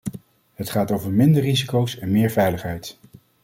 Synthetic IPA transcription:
ɦətχaːtowvəɹmɪndərizikowsɛnmɪːɹvɛjləχɦɛjt

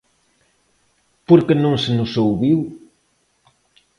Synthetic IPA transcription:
poɾkənõŋsenʊsowβiw

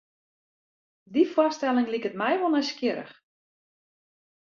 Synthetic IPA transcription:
difwɔrstɛlˠɪŋlikətmɛjʋolˠnɛjskjɪɾə̰x

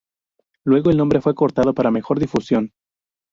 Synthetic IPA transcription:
lwe̞ɣo̞elno̞mbɾe̞fwe̞ko̞ɾt̪að̞opaɾame̞xo̞ɾðifusjo̞n

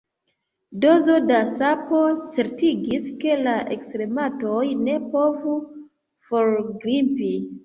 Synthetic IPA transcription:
do̞zo̞dasapo̞t͡se̞ɾtiɡiske̞laʔekstɾe̞mato̞jne̞po̞vu | fo̞ɾɡɾimpi

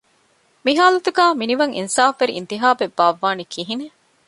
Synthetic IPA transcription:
miɦaːlut̪uɡaːminiʋɐŋḭnsaːfʋeɾḭint̪iɦaːbebːaːʋːaːnikiɦine

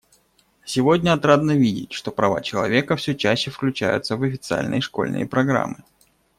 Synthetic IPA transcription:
sʲɪvo̞dʲnʲəɐt̪ɾad̪nəvʲidʲɪ̰tʲʂt̪o̞pɾɐva̰t͡ɕɪlˠɐ̰vʲe̞kəfsʲɵt͡ɕæɕːɪfklʲʉt͡ɕæ̰jʊ̰t̪səvɐfʲɪt̪sɨa̰lʲnɨ̰jʂko̞̰lʲnɨ̰jəpɾɐɡɾa̰mːɨ

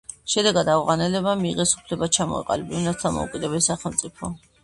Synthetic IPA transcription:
ʃɛd̪ɛɡad̪avʁanɛlɛbamiʁɛsu̥pʰlɛbat͡ʃʰamɔ̰ɛ̰qʼa̰lɛbivnat̪̚ʰd̪amɔ̰ṵkʼid̪ɛbɛlsaχɛlˠmt̪sʼipʰɔ

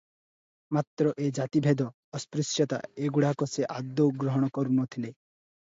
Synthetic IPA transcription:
mat̪ɾɔʔed͡ʒat̪ibʱed̪ɔːspɾisjɔt̪a̰eɡuɽakɔseʔad̪ːoɡɾɔɦɔɽ̃ɔkɔɾunɔt̪ʰile

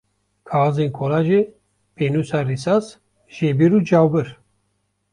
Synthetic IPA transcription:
kʰaːzenkʰolaʒe | peːnusarisas | ʒebiɾuːd͡ʒaːwbɨɾ

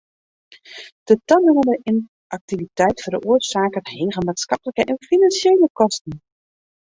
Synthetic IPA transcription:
d̥ətɔnənəndəʔɪn | ʔak̚tivitɛjtfərdəʔuərsaːkənɦeːɣəmaːtskɑpələkəʔɛnfinɑnsjejləkɔstn̩

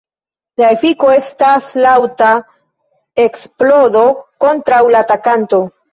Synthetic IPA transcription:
laefiko̞e̞staslawta | e̞ksplo̞do̞ko̞ntɾawlaːtakanto̞

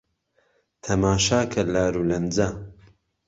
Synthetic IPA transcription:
t̪ʰɐmaːʃaːkʰɐlaːɾulɐnd͡za

